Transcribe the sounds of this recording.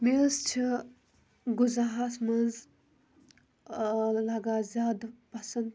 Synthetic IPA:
mest͡ʃʰi | ɡuzaɦasmɐnz | laɡaːzʲjaːd̪pɐsɐn

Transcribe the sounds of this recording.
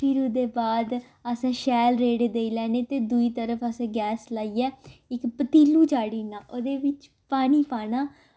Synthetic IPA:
pʰɪɾʊd̪eːbaːd̪ | əsãːʃɛːlɾeːɽed̪eːiːlɛːneːt̪eːd̪uiːt̪əɾəfʰəsãːɡɛːslaːiːɛːɪkpət̪iːluːt͡ʃaːɽiːnaːʔoːd̪eːʋɪt͡ʃ | paːñiːpaːnaː

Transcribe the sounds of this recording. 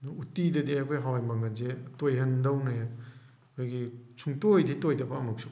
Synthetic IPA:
nuutidɐdiakʰojɦawjmɐŋɐzetojɦɐndɐwnɐja | kʰojɡisʰuŋtojditojdɐbɐːmuk̚sʰu̥

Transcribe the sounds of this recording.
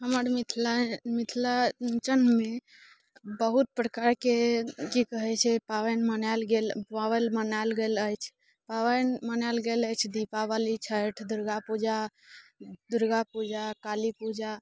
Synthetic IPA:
ɦəməɾmit̪ʰlamit̪ʰlat͡ʃənme | bəɦut̪̚pɾəkaɾkekikəɦɛt͡ʃʰɛpawənmənalɡelawəlmənalɡeləjt͡ʃʰ | pawənmənalɡeləjt͡ʃʰd̪ipaʋalit͡ʃʰəʈʰd̪uɾɡapud͡ʒa | d̪uɾɡapud͡ʒakalipud͡ʒa

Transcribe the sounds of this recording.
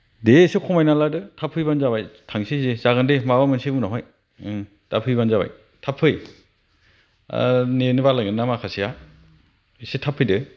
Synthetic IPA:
desɯkʰɔmajnaladɯtʰapʰɯjbanzaβajtʰaŋsizezaɡɯndemawamɯnsibunɔɦɔj | tapʰɯjbanzaba̰j | tʰapʰːɯj | nenɯbalaɡɯnːamakʰasija | isetʰapʰɯjdɯ

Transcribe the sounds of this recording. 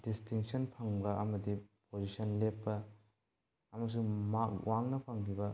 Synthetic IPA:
distiŋksɐnpʰɐŋbɐʔɐmɐdipozisɐnlepːɐ | mɐs̬umak̚wʔaŋnɐpʰɐŋkʰibɐ

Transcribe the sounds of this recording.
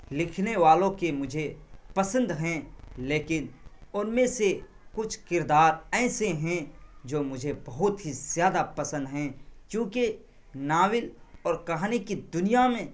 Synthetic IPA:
lɪkʰneʋaːlõkemʊd͡ʒʱepɐsə̃nd̪ɦɛ̃leːkɪnʊnmẽse | kʊt͡ʃʰkɪɾd̪aːɾɛːseɦɛ̃d͡ʒoːmʊd͡ʒʱebɐɦʊt̪ɦiz̥jaːd̪apɐsə̃nd̪ɦɛ̃kjõːke | naːwɪlɔːɾkɐɦaːnikid̪ʊnijamẽ

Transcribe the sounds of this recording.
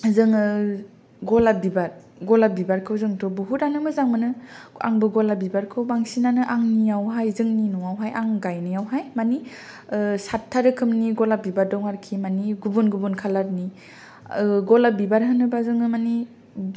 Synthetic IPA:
zɯŋɯ | ɡɔlabibaɾ | ɡɔlabibaɾkʰɯwzɯŋtɔbuɦudanɯmɯzaŋmɯnɯa̰ŋbɯɡɔlabibaɾkʰɯwbaŋsinanɯʔaŋnijawɦajzɯŋninɔwawɦajaŋɡajnijawɦajmani | satʰːaɾɯkʰɯmniɡɔlabibaɾdɔŋaɾkʰimaniɡubunɡubunkʰalaɾni | ɡɔlabibaɾɦɯnɯbazɯŋɯmani

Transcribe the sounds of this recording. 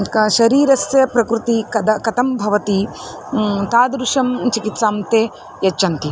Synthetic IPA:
kɐʃɐɾiːɾɐsjɐpɾɐkɾut̪ikɐd̪ɐkɐt̪ɐmbʱɐʋɐt̪i | t̪aːd̪ɾuʃɐmt͡ʃikit̪saːmt̪eː | jɐt͡ʃːɐnt̪i

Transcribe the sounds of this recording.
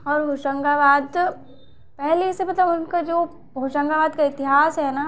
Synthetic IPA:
ɔːɾɦoʃə̃ŋɡaʋaːd̪ | pɛɦlesebɐt̪ləbʊnkad͡ʒoː | ɦoʃə̃ŋɡaʋaːd̪kaɪt̪ɪɦaːsɦɛna

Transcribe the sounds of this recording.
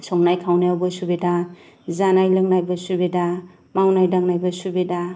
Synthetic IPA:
sɔŋnajkʰawnajawbasubeda | zanajlɯŋnajbasubeda | mawnajdaŋnajbasubeda

